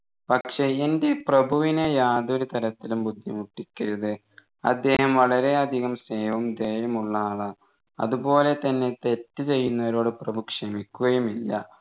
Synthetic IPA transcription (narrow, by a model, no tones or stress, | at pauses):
pɐkʂe̞ende̞prɐbʱuʋinejaːd̪oɾut̪ʰɐɾɐt̪ːilumbud̪ʱːjɐmuʈːikʲːɐɾɐðɨ | ɐ̰d̪ːe̞ːhɐmʋɐɭɐɾe̞ɐd̪ʱiɣɐmseːʋɐumd̪eːjɐmuɭːaːɭɐ | ɐ̰ðubo̞ːle̞t̪ɐnːe̞t̪e̞tːɨt͡ɕe̞jːunːɐʋɐɾo̞ːɽɨprɐbʱukʂɐmikʲːuɣɐjumilːɐ̰